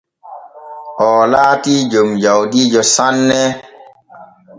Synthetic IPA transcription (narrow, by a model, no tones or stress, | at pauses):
ɔlaːtid͡ʒomd͡ʒawdid͡ʒɔsanːɛ